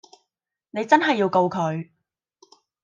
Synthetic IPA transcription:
ne˨˧jt͡sɐ˥nɦɐ˨jːiː˧wko˧wkʰɵ˨˧ɥ

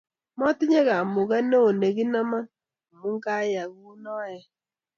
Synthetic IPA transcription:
mɔ˦tɪ˦ɲɛ˦ɣa˨mʊ˨ɣa˦no˦o˨ne˨ɣi˦na˦ma˦n˨ | mu˦ŋka˦ja˨ɣu˦nɔ˦jɛ˦

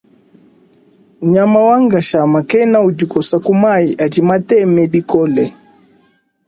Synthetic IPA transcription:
ɲa˨ma˦wa˦ŋɡa˨ʃa˨ma˨kɛ˦na˦u˨d͡ʒu˨kɔ˨sa˨ku˦ma˦i˨ʔa˨d͡ʒi˨ma˦tɛ˦mɛ˨bi˦kɔ˦lɛ˨

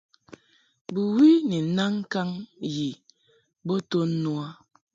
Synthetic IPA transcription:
bu˨wi˦ni˨˦na˦ŋ˦ka˦ŋji˨ | bo˦to˦n˦nu˦a˦

